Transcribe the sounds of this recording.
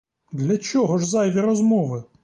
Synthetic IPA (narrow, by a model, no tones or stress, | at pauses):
d̪lʲɐt͡ʃɔɦɔʒzɑjʋʲiɾɔzmɔʋɨ